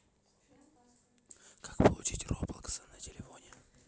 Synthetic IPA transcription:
kʰakpəlˠʊt͡ɕitʲroplˠkə̥sənətʲɪlʲɪfonʲɪ

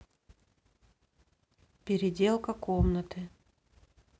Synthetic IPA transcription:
pʲɪɾʲɪdʲe̞lˠkəkomnət̪ɨ

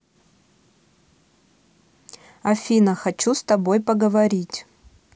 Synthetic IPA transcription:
ɐfʲinəxɐt͡ɕust̪ɐbojpəɡəvɐɾʲitʲ

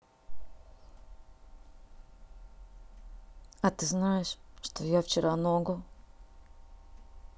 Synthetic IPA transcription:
ɐt̪ɨznajɪʂʂt̪ojaft͡ɕɪɾʔanoɡo

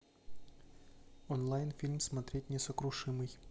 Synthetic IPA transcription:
ɔnlˠajnfʲilʲmsmɐt̪ɾʲetʲnʲɪsəkɾʊʂɨmɨj

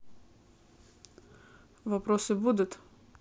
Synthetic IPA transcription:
vɐpɾosɨbud̪ʊt̪

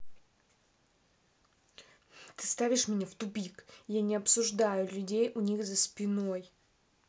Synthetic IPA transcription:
t̪ɨ̥st̪avʲɪʂmʲɪnʲaft̪ʊbʲikjanʲɪɐpsʊʐd̪ajʊlʲʉdʲejʔʊnʲixzəspʲɪno̞j

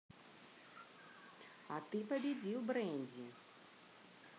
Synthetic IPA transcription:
ɐt̪ɨpɐbʲɛd͡zʲiwbɾɛnʲd͡zʲi

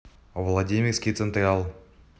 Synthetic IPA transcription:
vlˠadʲimʲɪrskʲijt̪sənt̪rʲalˠ

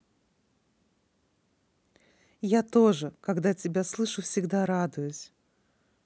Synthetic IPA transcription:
jat̪o̞ʐɨkɐɡd̪atʲɪbʲaslˠɨʂʊfsʲɪɡd̪aɾad̪ʊjʊsʲ

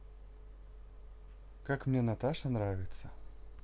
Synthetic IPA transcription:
kakmnʲenɐt̪aʂənɾavʲɪt̪sə

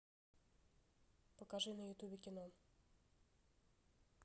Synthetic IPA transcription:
pɔkaʐɨnɐjʊt̪ubʲɪkʲɪnɔ

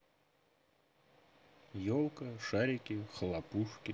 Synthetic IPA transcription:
jolˠkəʂaɾʲɪkʲɪxlˠapuʂkʲɪ

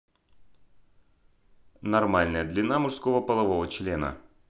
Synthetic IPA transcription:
nɐrmalʲnəjəd̪lʲɪnamʊʂskovəpəlˠɐvovət͡ɕlʲenə̰

